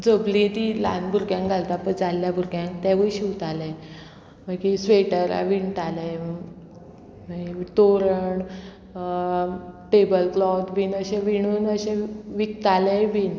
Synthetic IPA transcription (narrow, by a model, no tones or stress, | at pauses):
d͡zəbliet̪ila̰nbʱuɾɡjãŋk̚ɡʱalt̪apəɳd͡zalːjabʱuɾɡjãŋkt̪ɛʋəɭiɕiwt̪ale | məkisʋeʈəɾa̰ʋiɳʈale | mət̪oɾəɳ | ʈebəlklɔt̪ʋiːnəɕẽʋiɳ̃uːnəɕẽʋik̚t̪aleʋiːn